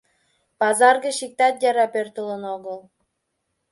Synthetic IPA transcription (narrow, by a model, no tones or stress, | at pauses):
pɑzɑrɣə̆ʃik̚t̪ɑt̪jɑɾɑpørt̪ələnoɣəlˠ